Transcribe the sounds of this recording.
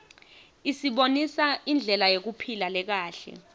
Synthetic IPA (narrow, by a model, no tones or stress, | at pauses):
isiɓonisaind͡ɮʱɛlajek̬upʰilalɛk̬aːɬɛ̰